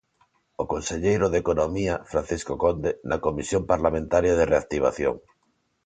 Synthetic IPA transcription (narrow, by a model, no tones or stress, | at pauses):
okonseʎejɾoðekonomiafɾan̟θiskokond̪enakomisjõmpaɾlamẽnt̪aɾjað̞ereak̚t̪iβ̞a̰θjo̰ŋ